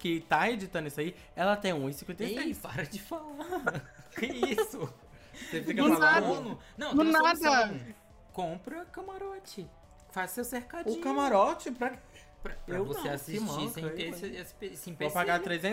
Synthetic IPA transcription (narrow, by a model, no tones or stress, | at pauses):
kɪt̪aed͡ʒit̪ɐ̃nʊisʊai | ɛlɐt̪ẽj̃ũĩsĩkwẽnt̪ejsɾejpaɾɐd͡ʒɪfalakeisʊ | sefikɐʊnalaɐ̃nʊnɐ̃w̃d̪ʊnad̪ɐ | kõpɾɐkɐmaɾɔt͡ʃɪ | fazsewseɾkad͡ʒʊiɲkɐmaɾɔt͡ʃɪpɾɐk | pɾɐpɾɐewvoseasiʃimt͡ʃɐisẽesesɪ̥pesẽj̃popaɡat̪ɾezẽ